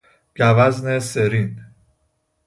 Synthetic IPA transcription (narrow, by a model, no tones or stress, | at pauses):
ɟævæzneseɾin